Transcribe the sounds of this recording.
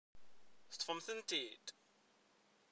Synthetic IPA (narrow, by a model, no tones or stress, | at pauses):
θət̪ˤːfəmθənt̪id̪